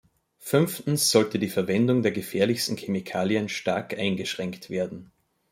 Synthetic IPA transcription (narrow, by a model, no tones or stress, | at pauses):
fʏnftn̩sz̥ɔltədiːfɛɐvɛndʊŋdeːɐɡəfɛːɐlɪçstn̩kʰemikʰaːljənʃtaɐkʔaɪnɡəʃʁ̥ɛŋktv̥eːɐdn̩